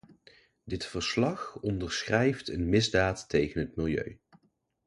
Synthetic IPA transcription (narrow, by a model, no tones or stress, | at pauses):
dɪtfəɹslɑχɔndəɹsχrɛjftənmɪzdaːtːejχənɦətmɪlˠjø̰ɥ